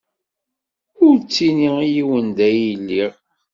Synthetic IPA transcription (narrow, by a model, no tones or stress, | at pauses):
ʊɾt͡sːiniijiwənd̪æjilːiʁ